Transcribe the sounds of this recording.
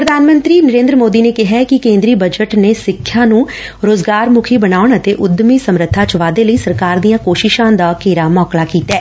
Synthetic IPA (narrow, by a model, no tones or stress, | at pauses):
pɾəd̪ʱaːnmə̃nt̪ɾiːnəɾẽːnd̪ɾəmoːd̪iːneːkɪɦɛːkɪkẽːnd̪ɾiːbəd͡ʒəʈneːsɪkʰːjãːnũː | ɾoːzɡaːɾmʊkʰiːbənaːʊɳət̪eːʔʊd̪miːsəmɾət̪ʰːaːt͡ʃʋaːd̪eːləiːsəɾkaːɾd̪ijãːkoːʃɪʃãːd̪aːkeːɾaːmɔːklaːkiːt̪ɛː